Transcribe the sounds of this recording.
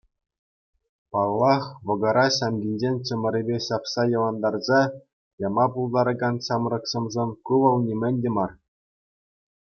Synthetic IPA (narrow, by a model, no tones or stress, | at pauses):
pɑlˠːɑχʋɤ̆ɡɤ̆ɾɑɕɑmɡʲinʲd͡ʑenʲt͡ɕɘ̆mʲɘ̆ɾʲebʲeɕɑpsɑjɤ̆ʋɑnd̪ɑrzɑ | jɑmɑpulˠd̪ɑɾɤ̆ɡɑnɕɑmrɤ̆ksɤ̆mzɤnʲkuʋɤ̆lˠnʲimʲɘ̆nʲdʲĕmɑr